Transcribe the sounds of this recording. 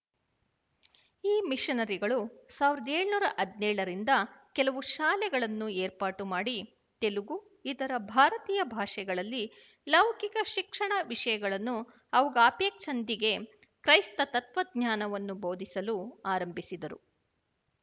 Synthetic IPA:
iːmiʂɐnɐɾiɡɐɭusaːʋiɾɐd̪eːɭnuːɾɐʔɐd̪nɛːɭɐɾind̪ɐkɛlɐʋuʃaːlɛɡɐɭɐnːueːɾpaːʈumaːɽi | t̪e̞luɡu | id̪ɐɾɐbʱaːɾɐt̪iːjɐbʱaːʂɛɡɐɭɐlːi | lɐʋkikɐʃikʂɐɳɐʋiʂɐjɐɡɐɭɐnːu | ɐʋɐɡɐaːpjeːkʂɐnd̪iɡe̞kɾɐjst̪ɐt̪ɐt̪ʋɐɡ̪̚ɲaːnɐʋɐnːubo̞ːd̪ʱisɐluaːɾɐmbʱisid̪ɐɾṵ

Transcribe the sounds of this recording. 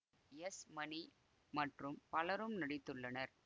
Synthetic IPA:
ɛsmɐni | mɐʈrɯmpɐlɐɾɯmnɐɽɪt̪ːɯɭːɐnɐɾ

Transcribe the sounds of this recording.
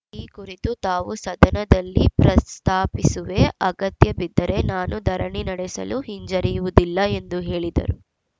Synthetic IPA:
iːkuɾit̪ut̪aːʋusɐd̪ʱɐnɐd̪ɐlːipɾɐst̪ʰaːpisuʋe̞ɐɡɐt̪jɐbid̪ːɐɾe̞naːnud̪ʱɐɾɐɳinɐɽɛsɐ̰luhiɲd͡ʒɐɾijuʋud̪ilːɐe̞nd̪uɦe̞ːɭid̪ɐ̰ɾu

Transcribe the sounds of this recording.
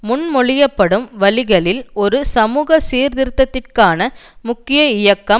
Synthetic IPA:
mʊnmɔɭɪjɐpːɐɽɯmʋɐlɪɣɐɭɪlɔɾɯsɐmuːɣɐsiːɾðɪɾɯt̪ːɐt̪ːɪrkaːnɐmʊkːɪjɐɪjɐkːɐ

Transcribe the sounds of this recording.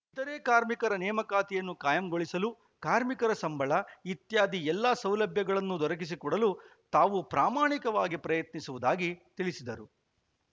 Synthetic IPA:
it̪ɐɾeːkaːɾmikɐɾɐnɛːmɐkaːt̪ijɐnːukaːjɐmɡoɭisɐlu | kaːɾmikɐɾɐsɐmbʱɐɭɐit̪jaːd̪ʱiɛlːaːsɐwlɐbʱjɐɡɐɭɐnːud̪ɔɾɐk̬is̬ikɔɽɐlut̪aːʋupɾaːmaːɳikɐʋaːɡipɾɐjɐt̪nisuʋud̪aːɡit̪ilisid̪ɐɾu

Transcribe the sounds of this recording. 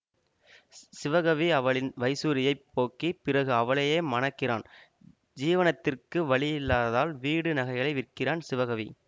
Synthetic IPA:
sɪʋɐɣɐʋiɐʋɐɭɪnʋɐɪsuːɾɪjɐɪpːoːkipɪrɐɣɯɐʋɐɭɐjeːmɐnɐkːɪra̰ːn | d͡ʒiːʋɐnɐt̪ːɪrkɯʋɐɭɪjɪlːaːðaːlʋiːɽɯnɐɣɐɪɣɐɭɐɪʋɪrkɪraːnsɪʋɐɣɐʋḭ

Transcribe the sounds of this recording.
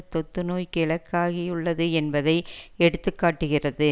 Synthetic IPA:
ɯt̪ːɔt̪ːɯnoːjkɪɭɐkːaːɣɪjʊɭːɐðɯɛnbɐðɐɪɛɽɯt̪ːɯkːaːʈːɯɣɪrɐðɯ

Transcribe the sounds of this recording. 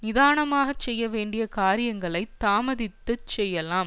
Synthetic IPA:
nɪðaːnɐmaːɣɐt͡ʃːɛjːɐʋeːɳɖɪjɐkaːɾɪjɐŋɡɐɭɐɪt̪ːaːmɐðɪt̪ːɯt͡ʃɛjːɐlaːm

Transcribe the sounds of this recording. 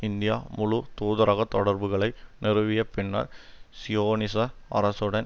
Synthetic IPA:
ɪnd̪ɪja̰ːmʊɻʊt̪uːðɐɾɐɣɐt̪ːɔɽɐɾbɯɣɐɭɐɪnɪɾɯʋɪjɐpːɪnːɐ̰ɾsɪjoːnɪsɐɐɾɐsɯɽɐn

